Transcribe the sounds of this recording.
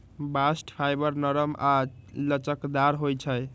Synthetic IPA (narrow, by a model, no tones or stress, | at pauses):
basʈpʰajbəɾnəɾəmalət͡ʃəkd̪aɾɦojt͡ʃʰəj